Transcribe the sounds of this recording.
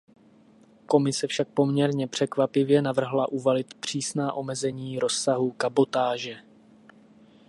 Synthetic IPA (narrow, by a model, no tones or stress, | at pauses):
ko̞mɪsɛfʃak̚po̞mɲɛɾɲɛpr̥ɛkvapɪvjɛnavr̩ɦlaʔuvalɪt̪pr̝̥iːsnaːʔo̞mɛzɛɲiːɾo̞sːaɦukabo̞t̪aːʒɛ